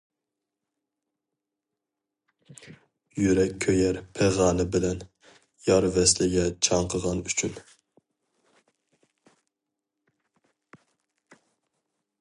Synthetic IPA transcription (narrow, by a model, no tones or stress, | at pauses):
jyɾɛkʲʰːøjɛɾpʰɛʁɑːnɨbɪlɛn | jɑɾvɛslɪɡʲɛt͡ʃʰɑɴqʰəʁɑnyt͡ʃʰyn